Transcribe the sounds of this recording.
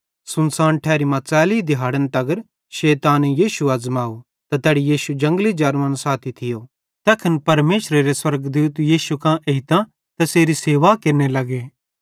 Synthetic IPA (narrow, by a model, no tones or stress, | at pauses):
sʊnsaːnʈʰɛːɾimãt͡sɛːlid̪ɪɦaːɽənt̪ɐɡəɾ | ʃeːt̪aːnjiːʃuɐd͡zmaːo | t̪at̪ɛːɽijiːʃud͡ʒɐ̃ŋɡlid͡ʒaːɾɐ̃nsaːt̪ʰit̪ʰɪjo | t̪ɛːkʰɪnpɐɾmeːʃɾeɾeswɐɾɡd̪uːt̪jiːʃukãʔeɪt̪ã | t̪ɛseːɾiseːʋakeɾnelɐɡeː